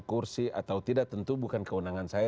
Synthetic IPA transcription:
kursiʔa̰t̪awt̪idak̚t̪ənt̪ubukankəunaŋansaja

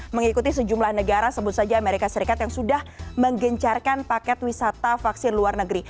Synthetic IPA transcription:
məŋikut̪isəd͡ʒumlahnəɡaɾasəbʊt̪̚sad͡ʒaːmeɾikasəɾikat̪jaŋsudahməŋɡəɲt͡ʃarkanpakɛt̪wisat̪afaksɪnluarnəɡɾi

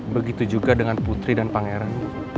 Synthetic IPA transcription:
bəɡit̪ud͡ʒuɡadəŋanput̪ɾidanpaŋeɾan

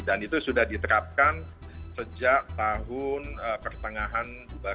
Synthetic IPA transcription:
danit̪usudahdit̪əɾap̚kan | səd͡ʒaʔt̪aɦʊnəpərt̪əŋaɦan | buba

